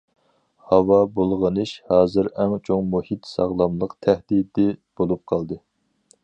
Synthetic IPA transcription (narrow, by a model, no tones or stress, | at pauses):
hɑwɑbolˠʁənɨʃhɑːzɨɾɛŋt͡ʃʰoŋmuhit̪sɑ̰ʁlˠɑmlˠəqt̪ʰæhd̪id̪ɪb̥olˠup̚qʰɑlˠd̪ɨ